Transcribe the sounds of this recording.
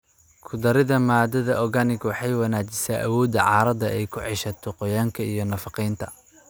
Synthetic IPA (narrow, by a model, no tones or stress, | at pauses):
kʰʊd̪ɐɾɪðɐmaːd̪ɐðɐʔɔɡɐnɪɡwɑħɑjwɐnaːt͡ʃɪsaʔɐ̰wɔːd̪ɐʕɑːɾɐd̪ɐʔɛjkʰʊʕɪʃɐt̪ʰɔqɔjaːŋkʰɐijɞnɐfɑqɛjnt̪ʰɐ